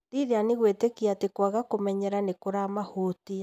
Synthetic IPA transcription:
ɾiðeaneɣwetekiatekwaɣakomɛɲɛɾanekoɾamahotia

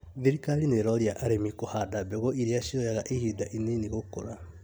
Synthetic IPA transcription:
ðiɾikalineɾɔɾiaʔaɾemikohadabeɣoʔiɾeaʃiɔjaɣaʔehidaʔineniɣokoɾa

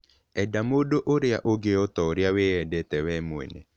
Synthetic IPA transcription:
ɛdamodoʔoɾea̰ʔoɡeɔt̪ɔɾjaweɛdɛt̪ɛwɛmwḛnḛ

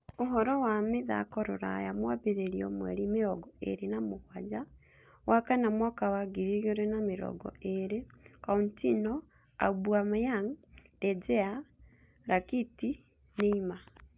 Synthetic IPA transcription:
oɦɔɾɔwameða̰kɔɾo̰ɾa̰jamwabeɾeɾiɔ̰mwɛ̰ɾimeɾɔɡɔḛɾenamoɣwad͡ʒa | wʔakanamwakawaɡiɾiɣoɾenameɾɔ̰ɡɔ̰eɾekauntinɔ | a̰bwamjaŋdɛd͡ʒɛa | ɾakiti | neima

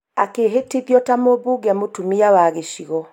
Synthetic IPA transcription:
akeɦetiðjɔtamobuɡɛmotumiawaɣeʃiɣɔ

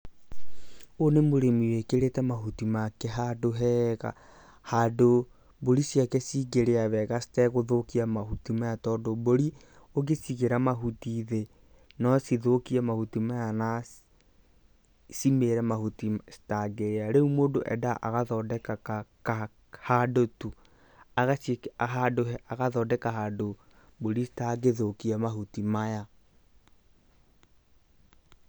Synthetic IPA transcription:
onemoɾemiwekeɾetɛmaɦutimakɛɦadoɦɛɣa̰ | hado | boɾisjakɛsiɡeɾeaβɛɣasi̥tɛɣoðokiamahutimajatɔdoβoɾi | oɣesiɣeɾamaɦutiðe | nɔsiðokiamahutimajana | simeɾɛmahutisi̥taɡeɾaɾeumoːdoʔɛdaʔa̰ɣaðɔdɛkaaka | hadotu | aɣasiɦadoɛaɣaðɔdɛkaɦado | boɾistaɡeðokiɛmaɦutimaja

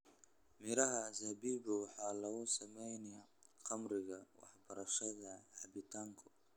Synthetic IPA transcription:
mɪɾɐɦɐzɐbiːbʊwɑħɑːlɐɣʊsɐmɛjnɛjaqɑmɾɪɣɐwɑ̰ħbɐɾɐʃɐðɐbɪt̪ʰaːŋkʰʊ̥

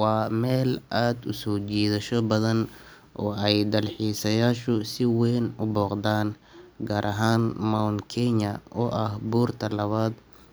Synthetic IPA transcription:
wɑːmɛːlʔaːd̪ʊsɔːt͡ʃɛːðɐʃɔbɐðɐn | ʔɔːɛjd̪ɐlħiːsɐjaːʃʊsɪwɛjnʊbɔːqd̪aːn | ɡaːɾʔɐɦaːnmawnkʰɛɲɐʔɔːʔɐhbuːrt̪ʰɐlɐβaːd̪

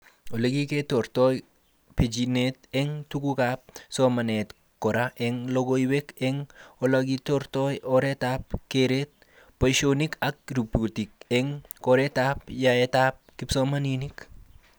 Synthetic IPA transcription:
oleɡiketoɾtɔj | ped͡ʒinetɛŋtukukap̚sɔmanet | kɔɾaʔɛŋloɡoiwekɛŋolaɡitoɾtɔjɔɾetap̚keɾet̚ | pojʃonikak̚ɾubutik̚ɛŋkoɾɛtapjaetap̚kipsomaninik

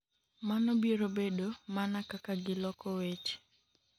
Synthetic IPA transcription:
manɔbieɾobedomanakakaɡɪlɔkɔwet͡ʃ

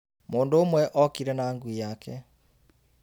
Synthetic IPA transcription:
moːndoːmwɛʔɔkiɾɛnaːŋɡwijakɛ

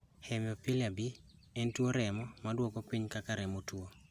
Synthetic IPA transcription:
hɛmjɔpilabiɛntwoɾɛmɔmadwokɔpiɲkakaɾɛmotwo

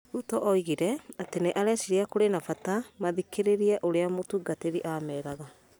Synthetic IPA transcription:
utɔʔɔiɣiɾɛateneʔaɾɛsiɾeakoɾenafatamaðikeɾeɾiɛʔoɾeamotuɡateɾiʔaːmɛːɾaɣa

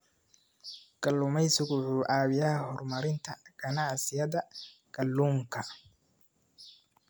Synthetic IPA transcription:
ɡ̥ɐlːʊmɛjsʊɣʊħuːʔaːβɪjaːhɔrmɐɾɪnt̪ʰɐɡ̥ɐnaʕsɪjɐðɐɡ̥ɐlːuːŋkʰɐ

